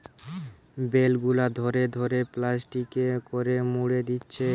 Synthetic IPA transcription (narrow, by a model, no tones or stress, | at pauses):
belɡulad̪ʱoɾed̪ʱoɾeplasʈikekoɾemuɽed̪itːɕʰe